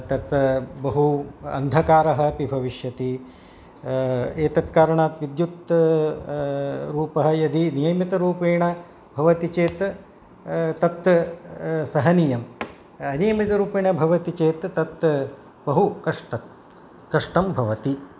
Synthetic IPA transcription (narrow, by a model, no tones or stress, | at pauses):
t̪ɐt̪bɐɦuɐ̰nd̪ʱɐkaːɾɐɦɐ̆pibʱɐʋiʃjɐt̪i | eːt̪ɐt̪kaːɾɐɳaːt̪ʋid̪jut̪ | ɾuːpɐɦɐ̆jɐd̪ʱinijɐjmit̪ɐɾuːpeːɳɐ | bʱɐʋɐt̪it͡ʃeːt̪ | t̪ɐt̪ | sɐɦɐnijɐm | ɐnijɐmit̪ɐɾuːpeːɳɐbʱɐʋɐt̪it͡ʃeːt̪ːɐt̪ | bɐɦukɐʂʈɐt̪ | kɐʂʈɐmbʱɐʋɐt̪i